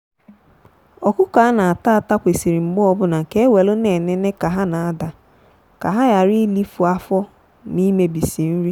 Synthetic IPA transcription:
ɔ˨kʊ˦ka˨˦a˦na˨a˨ta˦a˨ta˦kʷe˨si˨ɾi˨ŋ͡m̩˨ɡ͡bɔ˦ɔ˦bʊ˦na˨ke˦we˨lʊ˦ne˨ne˦ne˦ka˨ɦa˦na˨a˦da˨ | ka˨ɦa˦ja˨ɾi˦li˦fu˨a˦fɔ˦ | ni˦me˦bi˨si˨n̩˦ɾi˦

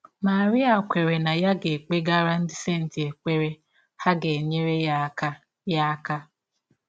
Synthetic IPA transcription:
ma˨ɾi˦a˨kʷe˨ɾe˨na˨ja˦ɡe˨k͡pe˦ɡa˦ɾa˦n̩˦dɪ˦se˦˨n̩˨ti˨e˨k͡pe˦ɾe˦ | ha˦ɡe˨e˨ɲe˦ɾe˦a˦ka˦ | ja˦ka˦

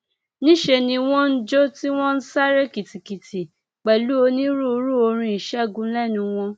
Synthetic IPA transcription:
nĩ˦ʃe˧nĩ˧w̃ɔ̃˦n̩˦d͡ʒo˦ti˦w̃ɔ̃˦n̩˦sa˦ɾe˦ki˨ti˨ki˨tʰi˨ | k͡pɛ˨lu˦o˧nĩ˦ɾu˦o˧ɾu˦o˧ɾ̃ĩ˧i˨ʃɛ˦˨ɡũ˨˦lɛ˦nũ˧w̃ɔ̃˧

